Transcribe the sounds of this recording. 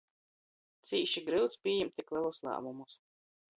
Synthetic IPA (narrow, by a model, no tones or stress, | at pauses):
t̪siːʃiɡɾɨwt̪spʲiɛjɛmtt̪ʲːiklɛlˠuslˠa̰ːmumus